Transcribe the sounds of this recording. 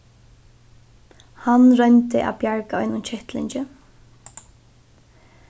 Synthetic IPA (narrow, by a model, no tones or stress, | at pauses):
hanɾœjnt̪ɪʔa̰pjaɹkaɔjnʊnt͡ɕʰɛht̪lɪ̰ɲt͡ʃɪ